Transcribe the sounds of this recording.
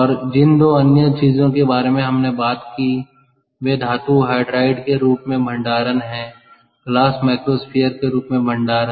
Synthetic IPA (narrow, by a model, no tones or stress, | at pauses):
ɔːɾd͡ʒɪnd̪oːɐnjət͡ʃiːzõkebaːɾemẽɦɐmnebaːt̪kiː | ʋeːd̪ʱaːt̪uɦaːɪɖɾaːɪɖkeɾuːpmẽbʱə̃ɳɖaːɾənɦɛ̃ː | ɡlaːsmaːkɾospʰijəɾkeɾuːpmẽbʱə̃ɳɖaːɾə